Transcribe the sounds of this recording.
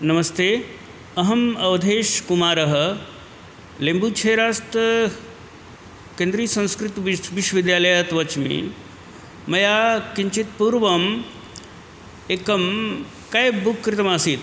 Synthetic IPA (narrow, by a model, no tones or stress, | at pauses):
nɐmɐst̪eː | ɐɦɐmɐʋd̪ʱeːʃkumaːɾɐɦə̆ | lembuːt͡ʃʰeːɾaːst̪ | kẽːnd̪ɾiːsɐ̃ñskɾɪt̪ʋiʋiʃwəʋid̪jaːlɐjat̪ʋɐt͡ʃmḭ | mɐjaːkiɲt͡ʃit̪puːɾʋɐm | eːkɐm | kajbukːɾɪt̪ɐmaːsiːt̪